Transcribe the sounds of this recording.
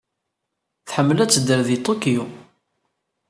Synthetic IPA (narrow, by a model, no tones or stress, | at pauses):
θħəmːlæt͡sːəd̪əɾðit̪ˤokiu